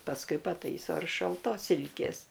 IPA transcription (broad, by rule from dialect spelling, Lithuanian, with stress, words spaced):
pɐsˈkʊɪ pɐˈtɐɪsoː ɪr ʃɐlˠˈtoːs ˈsʲɪlʲkʲeːs